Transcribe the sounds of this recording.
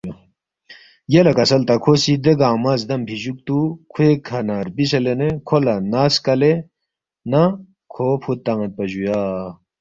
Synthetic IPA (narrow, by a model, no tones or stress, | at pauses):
jelɐkɐsɐlt̪ɐkʰoːsid̪eɡaːmazd̪ɐmpʰiʑuk̚t̪ukʰuekʰɐnaːɾbis̬elenekʰolɐnaːskɐle | nɐ | kʰoːpʰut̪ːɐŋɐt̪̚pɐʑujaː